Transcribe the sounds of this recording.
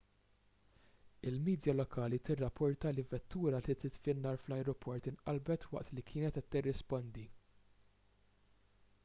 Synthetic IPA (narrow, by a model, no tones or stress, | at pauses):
ɪlmiːd̪jɐlɔkʰɐːlit̪ɪrːɐpʰːɔɾt̪ɐlɪvɛt̪ːuːɾɐlit̪ɪt̪fɪnːɐːɾflɐjɾɔpʰɔɾt̪ɪnʔɐ̰lbɛt̪wɐ̰ʔt̪likʰɪːnɛt̪ɛt̪ːɪrːɪspɔnd̪i